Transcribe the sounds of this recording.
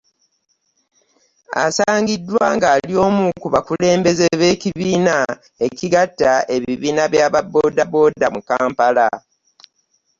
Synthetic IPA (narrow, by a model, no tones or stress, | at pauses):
a̰saːŋɡidːwaːŋɡaːlio̞ːmukuβakule̞ːmbe̞zeβe̞ːciβiːna | e̞ciɡatːae̞βiβiːnaβjaːβabo̞ːdabo̞ːdamukaːmpala